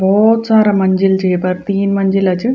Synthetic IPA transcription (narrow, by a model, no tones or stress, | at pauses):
boːt̪saːɾɐmɐɲd͡ʑild͡ʑejpɐɾt̪iːnmɐɲd͡ʒilɐt͡ɕɨ